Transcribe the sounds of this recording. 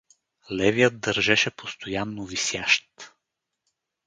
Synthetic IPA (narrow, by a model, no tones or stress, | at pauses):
lɛvijət̪̚d̪əɾʒɛʃɛpost̪ojanːovisjaʃt̪